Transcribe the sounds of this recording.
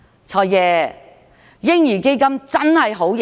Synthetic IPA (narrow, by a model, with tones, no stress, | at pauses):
t͡sʰɔː˧jjɛː˨˧ | jɪ˥ŋjiː˨˩ke˥jkɐ˥mt͡sɐ˥nhɐ˨jɦo˨˥wj